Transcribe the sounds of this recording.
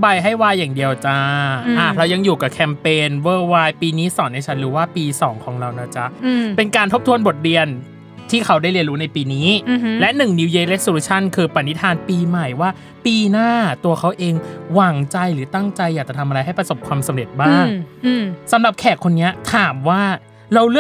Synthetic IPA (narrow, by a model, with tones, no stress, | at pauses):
ba˧jɦa˥˩jwaː˧jːaː˨˩ŋdi˧əwt͡ɕa˦˥ʔa˧˩ɾa˧wja˧ŋjuː˨˩ka˨˩kʰɛ˧mpeː˧nwɤː˧˩waː˧jpiː˧niː˦˥sɔː˩˦nːa˧jt͡ɕʰa˦˥nɾuː˦˥waː˥˩piː˧sɔː˩˦ŋkʰɔː˩˦ŋɾa˧wna˦˥˩t͡ɕa˦˥pe˧nkaː˧nt̪ʰo˦˥p̚t̪ʰu˧ənbo˨˩t̪̚ɾi˧ən | t̪ʰiː˥˩kʰa˦˥wda˥˩ɾli˧ənɾuː˦˥na˧jpiː˧niː˦˥lɛ˦˥ʔnɯ˨˩ŋni˧wjeː˧le˦˥su˦˥t͡ɕʰa˥˩nkʰɯː˧pa˨˩ni˦˥t̪ʰaː˧npiː˧ma˨˩jwaː˥˩ | piː˧naː˥˩t̪u˧ɐkʰa˦˥wʔeː˧ŋwaː˩˦ŋt͡ɕa˧jɾɯː˩˦t̪a˥˩ŋt͡ɕa˧jːaː˨˩k̚t͡ɕa˨˩t̪ʰa˧mʔa˧a˧jɦa˥˩pɾa˧so˨˩p̚kʰwaː˧msa˩˦mɾe˨˩t̪̚baː˥˩ŋ | sa˩˦mɾa˨˩p̚kʰɛː˨˩k̚kʰo˧nːi˦˥ɐt̪ʰaː˨˩˦mwaː˥˩ | ɾa˧wlɯ˥˩ə